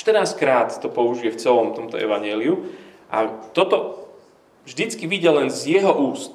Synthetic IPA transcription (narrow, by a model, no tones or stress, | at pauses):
ʃt̪ərnaːskɾaːt̪ːɔpɔuʒiɛft͡sɛlɔmt̪ɔmt̪ɔ̰ʔɛ̰ʋaɲɪɛːliu | ʔa̰t̪ɔt̪ɔ | ʒd̪it͡skiʋiɟɛlɛnzjɛɦɔʔuːst̪